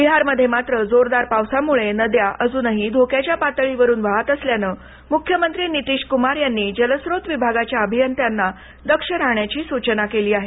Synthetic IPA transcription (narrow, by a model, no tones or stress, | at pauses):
biɦaɾməd̪ʱːjemat̪ɾəd͡zoɾd̪aɾpawsamuɭenəd̪jaʔəd͡zuːnəɦid̪ʱokjat͡ɕjapat̪əɭiʋəɾuːnʋaɦat̪əsljanəː | mukʰjəmənt̪ɾiːnit̪iːɕkumaɾjanːiːd͡ʑələsɾot̪ʋibʱaɡat͡ɕjaəbʱijənt̪janːa | d̪əkʂəɾaɦɳjat͡ɕiːsut͡ɕənakeliːaɦe